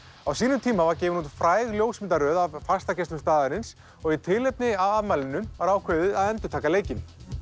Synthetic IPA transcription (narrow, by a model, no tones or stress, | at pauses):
awsiːnʏmt̪ʰiːmavaɾcɛːvʏnut̪fɾaːjɣljowsmɪnt̪aɾœːðavfast̪acɛst̪ʏmst̪aːðaɾɪns | ɔɣit̪ʰɪlejp̚nɪavaðmaːlɪnːʏmvaɾaːwkʰvœːðʏaðɛnt̪ʏ̥ɾt̪ʰaːkaleːjcɪn